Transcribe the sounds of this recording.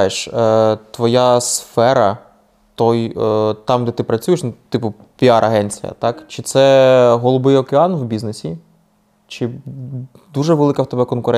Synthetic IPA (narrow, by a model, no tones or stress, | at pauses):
jeʃt̪ʋɔjasfɛɾɐ | t̪ɔjt̪ɑmd̪ɛt̪ɪpɾɐt͡sʲujeʃnt̪ɪpʊ | pʲiɑɾʔɐɦɛnʲt͡sʲɪjɐ̰t̪ɑkt͡ʃɪt̪sɛɦɔlˠʊbɪjɔkeɑnwbʲiznesʲi | t͡ʃɪ | d̪uʒɛʋelˠɪkɐwt̪ɔɛbɛkɔnkʊɾɛ